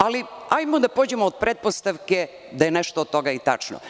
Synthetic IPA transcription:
aliajmod̪apod͡ʑemoːd̪̚pɾet̪̚po̞st̪aʋke | d̪ajeneʃt̪oːt̪t̪ːo̞ɡait̪a̰t͡ʂno̰

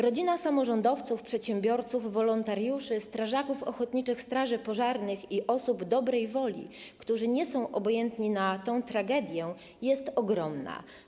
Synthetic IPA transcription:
ɾɔd͡ʑinasamɔʐɔnd̪ɔft̪sufpʂɛt̪ɕɛmbʲjɔɾt̪suvːɔlɔnt̪aɾjuʂɘst̪ɾaʐakufɔxɔt̪ɲit͡ʂɘxst̪ɾaʐɘpɔʐaɾnɘxiʔɔsubd̪ɔbɾɛjvɔlʲḭkt̪uʐɘɲɛsɔ̃w̃ʔɔbɔjɛnt̪ɲinat̪ɔ̃w̃t̪ɾaɡɛd̪ʲjɛ | jɛst̪ɔɡɾɔmna̰

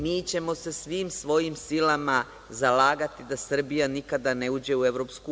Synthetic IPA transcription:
miːt͡ɕe̞mo̞se̞sʋiːmsʋo̞jimsilama | zalaːɡat̪id̪asr̩bijanikad̪ane̞uːd͡ʑe̞ue̞ʋɾo̞psku

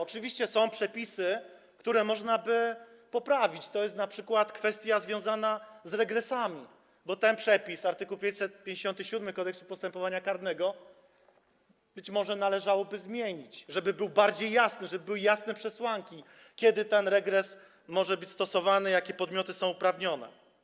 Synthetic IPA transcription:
ɔt͡ʂɘvʲiɕt͡ɕɛsɔ̃w̃pʂɛpʲisɘ | kt̪uɾɛmɔʐnabɘ | pɔpɾavʲit͡ɕt̪ɔjɛst̪napʂɘkwat̪kfɛst̪ʲjazvʲjɔ̃w̃zanazɾɛɡɾɛsamʲi | bɔt̪ɛnpʂɛpʲisaɾt̪ɘkuwpʲjẽɲt͡ɕʲsɛt̪̚pʲjẽɲd͡ʑeɕɔnt̪ɘɕud̪mɘkɔd̪ɛksupɔst̪ɛmpɔvaɲakaɾd̪nɛɡɔ | bɘt͡ɕmɔʐɛnalɛʐawɔbɘzmʲjeɲit͡ɕʐɛbɘbɘwbaɾd͡ʑejːasnɘʐɛbɘbɘwɘjasnɛpʂɛswaŋkʲi | kʲɛd̪ɘt̪ɛnɾɛɡɾɛs | mɔʐɛbɘt͡ɕst̪ɔsɔvanɛjakʲɛpɔd̪mʲjɔt̪ɘsɔ̃w̃upɾavɲɔnɛ̰

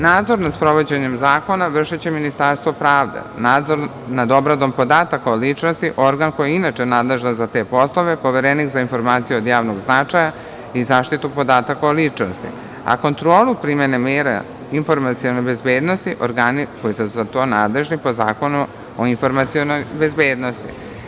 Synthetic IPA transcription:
naːd̪zo̞ɾnaspɾo̞ʋo̞d͡ʑeɲemzaːko̞naʋr̩ʃit͡ɕeminist̪aɾst̪ʋopɾaːʋd̪ḛnaːd̪zo̞ɾ | nad̪o̞bɾad̪o̞mpo̞d̪aːt̪akaolit͡ʂnost̪iʔo̞ɾɡanko̞jeinat͡ʃenaːd̪le̞ʒnazat̪e̞ːpo̞slˠo̞ʋe̞po̞ʋeɾenixzainfo̞ɾmaːt̪sijuod̪jaːʋnoɡznat͡ʂaja | izaːʃt̪it̪upo̞d̪aːt̪akaolit͡ʂno̰st̪ḭ | a̰ko̞nt̪ɾo̞ːlˠupɾimenemeːɾa̰ | info̞ɾmat̪sionojbe̞zbeːd̪no̞st̪iʔoɾɡanikojisuzat̪o̞ːnaːd̪le̞ʒnipo̞za̰ːko̞nu | oinfo̞ɾmat̪sijonojbe̞zbeːd̪no̞st̪ḭ

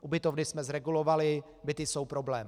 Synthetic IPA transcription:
ʔubɪt̪ovnɪsmɛzɾɛɡulo̞valɪ | bɪt̪ɪso̞wpɾo̞blɛːm

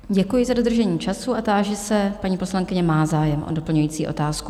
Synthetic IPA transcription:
ɟɛkujɪzado̞d̪r̩ʒɛɲiːt͡ʃasuat̪aːʒɛsɛpaɲiːpo̞slaŋkɪɲɛmaːzaːjɛmʔo̰do̞pl̩ɲujiːt͡siːʔo̞̰t̪aːsku

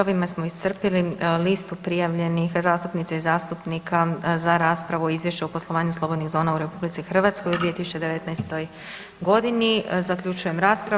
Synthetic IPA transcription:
oʋimasmo̞ist̪r̩pililist̪upɾijaʋʎe̞nixzaːst̪upnit̪seizaːst̪upnikʰazaɾaːspɾaʋuoizʋje̞ʃt͡ɕuoposlˠo̞ʋaːɲuslˠo̞bod̪niɣzo̞ːnauɾe̞publit̪sixr̩ʋat̪sko̞jud̪ʋije̞t̪isu̥t͡ɕe̞d̪e̞ʋe̞t̪najst̪o̞j | ɡo̞d̪inizakʎut͡ʃuje̞mɾaːspɾa

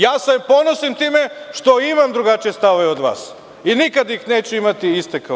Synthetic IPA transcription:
jaːsepo̞nosimt̪iːmeʃt̪o̞imamd̪ɾuɡat͡ʃije̞st̪aoʋeod̪ʋa̰ːs | inikad̪jixne̞ːt͡ɕuimat̪iist̪eka

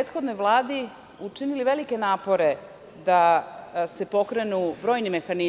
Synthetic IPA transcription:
et̪xo̞d̪nojʋlˠaːd̪i | ut͡ʃiniliʋe̞likenaːpo̞ɾe̞ | d̪asepo̞kɾe̞nubɾo̞ːjnime̞xani

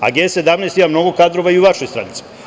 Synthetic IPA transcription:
a̰ɡese̞d̪amneːst̪imamno̞ɡo̞kad̪ɾo̞ʋaiuʋaʃo̞jst̪ɾa̰nit̪si̥

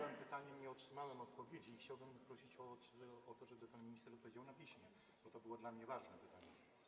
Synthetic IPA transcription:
ɛmpɘt̪aɲɛɲɛɔtʂɘmawɛmɔt̪̚pɔvʲjed͡ʑiːxt͡ɕawbɘmpɾɔɕit͡ɕɔɔt̪ɔʐɛbɘpanmʲiɲist̪ɛɾɔt̪pɔvʲed͡ʑawnapʲiɕmʲjɛ | b̥ɔt̪ɔbɘwɔd̪lamɲɛvaʐnɛpɘt̪aɲɛ

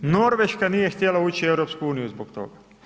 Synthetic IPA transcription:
no̞ɾʋeʃkanije̞xt̪ʲjelauːt͡ɕieʋɾopskuuːnijuzbokt̪o̞̰ɡa

